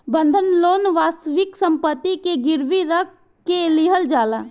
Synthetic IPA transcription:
bə̃nd̪ʱənloːnʋaːst̪əʋɪksə̃mpət̪ːikeɡɪɾʋiɾək̚ʰː | elɪɦəld͡ʒaːlaː

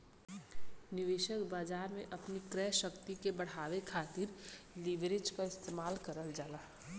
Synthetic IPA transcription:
nɪʋeːʃəkbaːd͡ʒaːɾmẽʔɐpnikɾɛːʃəkt̪ikebɐɽ̤aːʋekʰaːt̪ɪɾliʋɾed͡ʒkaɪst̪eːmaːlkəɾəld͡ʒaːlaː

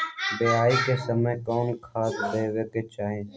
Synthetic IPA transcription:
beːaːikesəməjkɔːnkʰaːt̪d̪eːweket͡ʃaːɦẽ

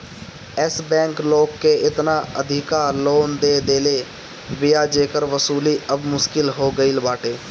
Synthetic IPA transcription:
ɛsbɛ̃ːŋkloːkːeːɪt̪naːəd̪ʱɪkaːɾloːnd̪eːd̪eːleː | bɪjaːd͡ʒeːkəɾʋəsuːliːəbmʊʃkɪlɦoːɡəilbaːʈeː

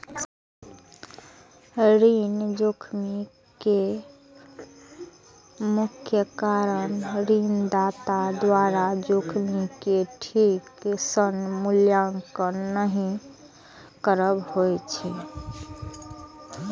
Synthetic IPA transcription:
ɾind͡ʒokʰmi | ke | mukʰjəkaɾənɾind̪at̪ad̪waɾad͡ʒokʰmikeʈʰiksənmuljaŋkənəɦĩ | kəɾəbhojt͡ʃʰɛ

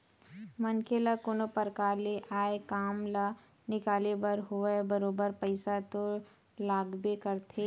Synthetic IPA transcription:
mɐnkelakonopəɾkaːleʔaːekaːmla | nɪkaːlebəɾɦoebəɾoːbəɾpəɪsat̪o | laːɡbekəɾt̪ʰe

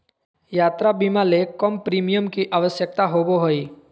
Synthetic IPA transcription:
jaːt̪ɾabimalekɔmpɾiːmijəmkiʔaʋəsjək̚t̪aɦoboɦoiː

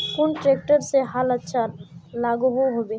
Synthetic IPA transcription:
kʊnʈɾeːk̚ʈəɾseɦalɐtːʃʰalaːɡuɦuɦobeː

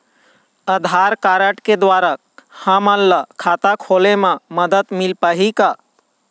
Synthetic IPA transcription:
əd̪ʱaɾkaɾəʈked̪ʋaɾa | hãməlːəkʰat̪akʰolemãməd̪ət̪milpaɦika

